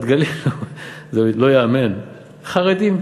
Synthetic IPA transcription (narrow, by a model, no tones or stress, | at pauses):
t̪ɡalelozelo̞jaamen | χaʁed̪im